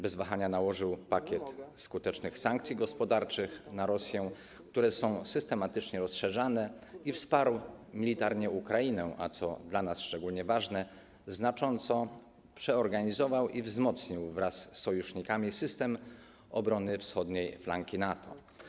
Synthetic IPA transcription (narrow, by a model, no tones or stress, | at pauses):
bɛzvaxaɲanawɔʐɘwpakʲɛt̪skut̪ɛt͡ʂnɘxsaŋkt̪sʲiɡɔspɔd̪aɾt͡ʂɘxnaɾɔsʲjɛ̃ | k̚t̪uɾɛsɔ̃w̃sɘst̪ɛmat̪ɘt͡ʂɲɛɾɔsʂɛʐanɛ | ifspaɾwmʲilʲit̪aɾɲɛukɾainɛʔa̰t̪sɔ̰d̪lanasʂt͡ʂɛɡulɲɛvaʐnɛ | znat͡ʂɔnt̪sɔ | pʂɛɔɾɡaɲizɔvawʔivzmɔt̪sɲiwvɾasːɔjuʂɲikamʲisɘst̪ɛm | ɔbɾɔnɘfsxɔd̪ɲejflaŋkʲinat̪ʰɔ̰